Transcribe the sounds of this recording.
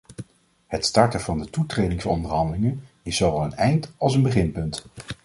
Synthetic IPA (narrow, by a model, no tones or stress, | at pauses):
hətstɑɹtəvɑndətutrejdɪŋsɔ̰ndəɹɦɑndəlɪŋən | ɪsowʋɛlˠənɛjntɑlˠs̬ənbəχɪnpɵnt